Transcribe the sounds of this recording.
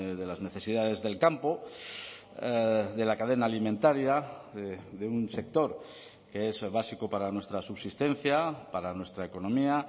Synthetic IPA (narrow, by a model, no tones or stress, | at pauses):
ðe̞lazne̞θe̞siðaðe̞zðe̞lkampo̞ | ðe̞lakaðe̞naːlimẽnt̪aɾjaðeðeunse̞k̚t̪o̞ɾ | ke̞e̞zβasikopaɾanwe̞st̪ɾasuβsist̪e̞n̟θjapaɾanwe̞st̪ɾaeko̞nõ̞mia